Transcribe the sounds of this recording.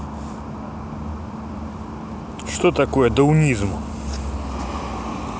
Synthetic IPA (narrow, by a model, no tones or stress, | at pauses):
ʃt̪ɔt̪akojɛd̪ɔunʲizmʊ